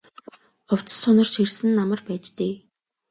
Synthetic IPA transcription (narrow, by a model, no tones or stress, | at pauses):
ɔw̥t͡sə̥̆sʊnə̆rʃirsɘ̆nːamə̆rpæːt͡ɕt̪eː